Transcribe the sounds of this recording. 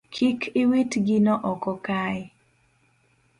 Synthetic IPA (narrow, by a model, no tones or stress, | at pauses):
kʰikʰɪwetɡinɔʔɔkɔkaɪ